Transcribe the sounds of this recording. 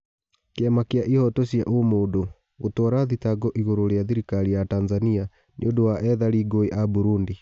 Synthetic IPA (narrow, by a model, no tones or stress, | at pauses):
keamakeaʔihɔtosia̰ʔomoːdo | ɣotwɔɾaðitaɡɔʔiɣoɾoɾeaðiɾikaɾijatanzania | nʔḛondowaʔɛðaɾiːɡoeʔabuɾundi